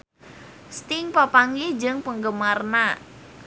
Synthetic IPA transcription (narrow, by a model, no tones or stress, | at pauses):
st̪ɪŋpapaŋid͡ʒəŋpəŋɡəmarna